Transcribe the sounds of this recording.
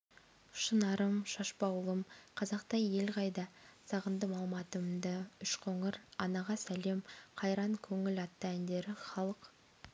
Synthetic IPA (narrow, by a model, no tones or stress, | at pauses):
ʃənɑɾəmʃɑʃpɑwlˠəmqʰɑzɑqt̪ɑje̞lʁɑjd̪ɑsɑʁənd̪əmɑlˠmɑt̪əmd̪əʏʃqʰoɴəɾɑnɑʁɑsæle̞mqʰɑjɾɑŋkʲʰɵŋɪlɑt̪ːəænd̪e̞ɾɪχɑlˠəq